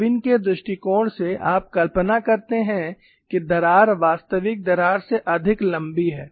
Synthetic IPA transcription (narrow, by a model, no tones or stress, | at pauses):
ʋɪnked̪ɾʊʃʈikɔːɽsea̰ːp̚kɐlpənakɐɾt̪eɦɛ̃ | kid̪ɐɾaːɾʋaːst̪əʋɪk̚d̪ɐɾaːɾseʔɐd̪ʱɪklɐ̃mbiɦɛː